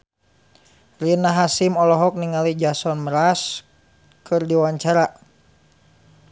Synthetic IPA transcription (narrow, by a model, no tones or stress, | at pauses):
rinaɦasimɔlɔɦɔk̚niŋalid͡ʒasɔnməɾas | kɨrdiwaɲt͡ʃaɾa